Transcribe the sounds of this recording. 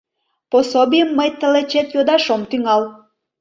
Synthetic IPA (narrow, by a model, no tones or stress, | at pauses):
posobʲijəmːəjt̪əlet͡ɕet̪jod̪ɑʃomt̪yŋɑl